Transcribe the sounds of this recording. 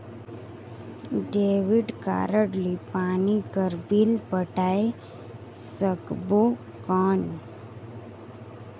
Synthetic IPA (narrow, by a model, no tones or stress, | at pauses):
ɖeːʋiɖka̰ːɾəɽlipaːnikəɾbiːlpəʈae | səkbo | kɔːn